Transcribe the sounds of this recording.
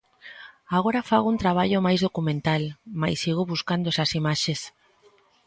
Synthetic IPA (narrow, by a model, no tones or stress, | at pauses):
aɣoɾafaɣount̪ɾaβ̞aʎomajzðokumẽnt̪almajsiɣoβuskand̪oesasimaʃes